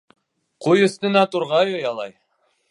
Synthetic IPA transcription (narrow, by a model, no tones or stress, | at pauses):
qʰujɵ̆st̪ɘ̆næt̪uɾʁɑjojɑlˠɑj